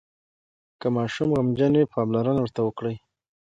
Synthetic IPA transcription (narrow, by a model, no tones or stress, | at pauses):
kəmɑʃumɣamd͡ʒanepɑblaɾanawəɾt̪awəkɽəj